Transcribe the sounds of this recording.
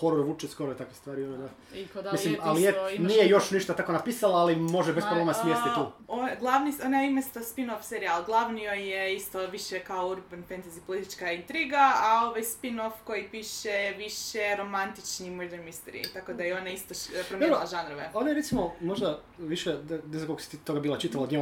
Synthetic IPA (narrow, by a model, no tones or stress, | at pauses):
xoɾoɾʋut͡ʃɛskoɾoet̪akʋest̪ʋaːɾionad̪a | milimalisjenijejo̞ʃniʃt̪at̪ako̞napiːsalaːlimo̞ʒebespɾoblemasmjesit̪uːoɡlˠaʋnionaimest̪ospinofseɾialˠɡlˠaʋniojeist̪oʋiʃekaouɾbanfent̪azipolit̪it͡ʃkaint̪ɾiɡaao̞ʋajspinofko̞jipiʃeʋiʃeɾo̞mant̪it͡ʃnimoɾd̪eɾmist̪eɾḭt̪ako̞d̪ajeo̞naist̪opɾomʲɾlaʒanɾoʋḛonajeɾet̪simomoʒd̪a | ʋiʃenezakokosi̥t̪t̪oɡabiːlˠat͡ʃit̪alaod̪ɲem